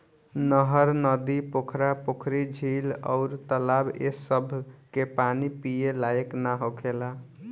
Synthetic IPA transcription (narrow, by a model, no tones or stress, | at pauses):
nəɦəɾnəd̪ipokʰɾapokʰɾid͡ʒʱilɔ̰ʊɾt̪əlabḛsəbʱkepanipijelajeknaɦokʰela